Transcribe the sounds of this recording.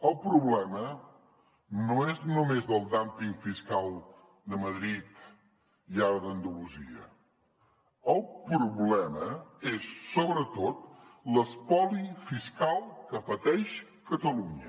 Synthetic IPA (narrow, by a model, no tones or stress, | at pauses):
əlˠpɾuβlɛmə | noeznumezðəlˠd̪ampiŋfiskalˠ | d̪əməðɾit̪ | iaɾəðənd̪uluzḭə̰ | əlˠpɾuβlɛməesːoβɾət̪ot̪̚ləspɔlifiskalˠkəpət̪ɛʃ | kət̪əluɲə